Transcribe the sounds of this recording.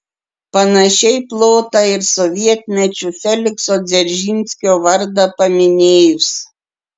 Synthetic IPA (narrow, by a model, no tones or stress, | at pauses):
pɐnɐʃʲɛɪplˠoːt̪ɐɪɾsɔʋʲiɛt̪ʲnʲɛt͡ʃʲʊfʲɛlʲɪksoːd̪zʲɛɾʲʒʲinʲsʲkʲoːʋɐɾd̪ɐpɐmʲɪnʲeːjʊs